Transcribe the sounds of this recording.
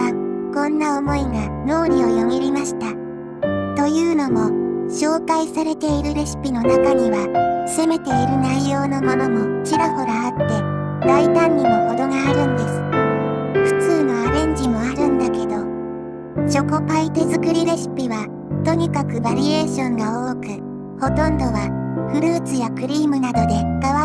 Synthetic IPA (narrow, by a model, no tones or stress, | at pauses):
akõ̞nːaomo̞iɡano̞ːɾʲio̞jo̞ɡiɾʲimaɕi̥t̪a | t̪ojɯ̟ːno̞mo̞ɕo̞ːkaisaɾe̞t̪e̞iɾɯ̟ɾe̞ɕi̥pʲino̞nakaɲ̟iβase̞me̞t̪e̞iɾɯ̟naijo̞ːno̞mo̞no̞mo̞t͡ɕiɾaho̞ɾaːt̪ːe̞ | d̪ait̪ãɲ̟ʲːino̞ho̞d̪o̞ɡaːɾɯ̟̃nd̪e̞sɨ̥ | ɸɯ̥t͡sɨːno̞aɾẽ̞ɲ̟d͡ʑimo̞aɾɯ̟̃nd̪ake̞d̪o̞ | t͡ɕo̞ko̞pait̪e̞zɨkɯ̟ɾʲiɾe̞ɕi̥pʲiβa | t̪o̞ɲ̟ikakɯ̟baɾʲie̞ːɕõ̞ŋɡaoːkɯ̟ | ho̞t̪õ̞nd̪o̞βaɸɯ̟ɾɯ̟ːt͡sɨjakɯ̟ɾʲiːmɯ̟nad̪o̞d̪e̞kaβa